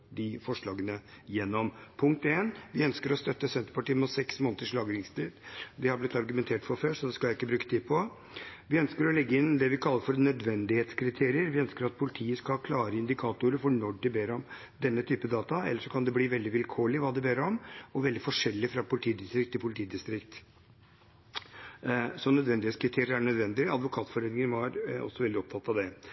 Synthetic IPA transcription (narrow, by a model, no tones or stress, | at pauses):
d̪ɪfɔʂɭɑːɡənəjɛnːɔmpʰʊŋk̚t̪eːnʋɪœnskəɾɔst̪œt̪ːəsɛnt̪əɾpɑʈiːmut̪sɛksmoːnət̪əʂɭɑːɡɾɪŋst̪iːd̪d̪ɛhɑɾblɪt̪ːɑɾɡʉmɛnt̪ʰeːʈfɔɾføːʂɔd̪ɛskɑlæɪɪkːəbɾʉːkːət̪ʰiːpʰɔ | ʋɪœnskəɾɔlɛɡːəɪnd̪ɛʋɪkʰɑlːəɾfɔɾnœd̪ʋɛnd̪ɪheːt̪skʰɾɪt̪ʰeːɾɪəɾʋɪœnskəɾɑt̪̚pʰʊlɪt̪ʰiːəskɑkʰlɑːɾəɪnd̪ɪkʰɑːt̪ʊɾəfɔɳɔɖɪbeːɾɔm | d̪ɛnːət̪ʰyːpəd̪ɑːt̪ɑɛ̰lːəʂɔkʰɑnd̪ɛbliːʋɛld̪ɪʋɪlkʰoːɭɪʋɑːd̪ɛbeːɾɔmɔʋɛld̪ɪfɔʂɛlːɪfɾɑpʰʊlɪt̪ʰiːd̪ɪst̪ɾɪk̚t̪ʰːɪlpʰʊlɪt̪ʰiːd̪ɪst̪ɾɪkt̪ | sɔnœd̪ʋɛnd̪ɪet̪skɾɪt̪ʰeːɾɪəɾæɳœd̪ʋɛnd̪ɪɑ̰d̪ʋʊkʰɑːt̪fɔɾeːd̪nɪŋənʋɑɾɔ̰sːɔʋɛld̪ɪɔp̚t̪ʰɑt̪ːɑʋd̪ɛ